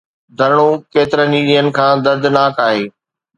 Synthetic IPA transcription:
d̪ʱɐɾɪɽ̃okeːt̪ɪɾəniːɗijənɪ̆kʰãːd̪ɐɾd̪ʱnaːkaːɦeː

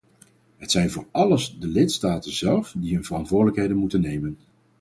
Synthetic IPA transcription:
ɦətsɛjnvʊːɹɑləsdəlɪtstaːtənzɛlˠfdiɦɵnvərɑntʋʊːɹdələkɦejdənmutənːejmən

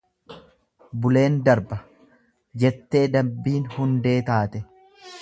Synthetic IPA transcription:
bʊle̞ːnd̪ɐɾbɐ | d͡ʒɛt̪ːe̞ːd̪ɐbːiːnhʊnd̪e̞ːt̪aːt̪ɛ

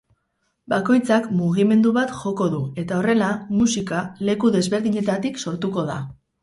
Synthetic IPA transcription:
bako̞jt͡sakmuɣ̞ime̞nd̪uβat̪ʝo̞ko̞ðue̞t̪ao̞re̞lamusikale̞kuðe̞zβe̞ɾðiɲe̞t̪at̪ikso̞ɾt̪uko̞ða

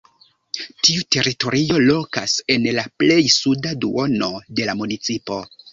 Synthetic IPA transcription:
tiute̞ɾito̞ɾio̞lo̞ka̰se̞nlaple̞jsudadṵo̞no̞de̞lamunit͡sipo̞

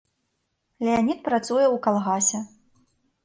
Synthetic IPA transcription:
lʲɛanʲit̪̚pɾat̪sujɛukalˠɣasʲɛ

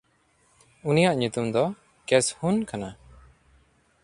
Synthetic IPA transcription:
unijaʔɲut̪umd̪ɔ | kɛshunkʰana

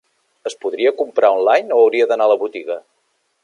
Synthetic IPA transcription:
əspuðɾiəkumpɾaɔnlajnoəwɾiəðənaləβut̪iɣə

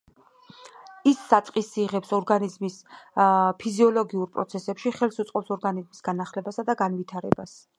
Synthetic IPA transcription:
isːat̪ʼqʼisiʁɛpsɔɾɡanizmis | pʰiziɔlɔɡiuɾpʼɾɔ̰t̪sʰɛsɛpʃiχɛlˠsut̪sʼqʼɔpsɔɾɡanizmisɡ̥anaχlɛbasad̪aɡanvit̪ʰaɾɛ̰bas

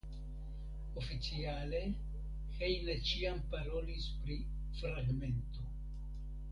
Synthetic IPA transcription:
o̞fit͡siale̞ | hejnet͡ʃiampaɾo̞lispɾi | fɾaɡme̞nto̞

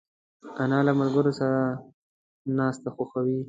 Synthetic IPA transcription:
anɑlamalɡʊɾosaɾa | nɑːst̪axoxawi

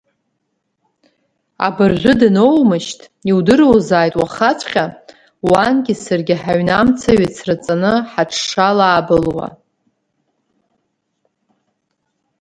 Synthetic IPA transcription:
a̰bɨrzʷʊdɨnowmɨʃtʰʼ | iwdɨrowzaːjtʼwaχat͡sʷʰʼχʲa | wanɡʲɪsɨrɡʲɪħaɥnamt͡sʰaɥit͡sʰrɨt͡sʼanɨħaʈ͡ʂʰʂalaːbɨlwa̰

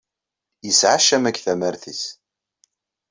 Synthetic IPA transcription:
jəsʕaʃːæmækːθæmæɾθis

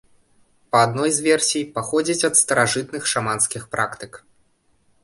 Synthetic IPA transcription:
pɐad̪nɔjzvʲɛrsʲijpaxɔd͡zʲit͡sʲɐt̪st̪ɐɾaʐɨt̪nɨxʂamanskʲixpɾakt̪ɨk

